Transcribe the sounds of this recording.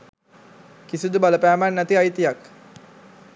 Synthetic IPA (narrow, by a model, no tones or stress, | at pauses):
kisud̪ubaləpæːmænːæt̪iajt̪ijak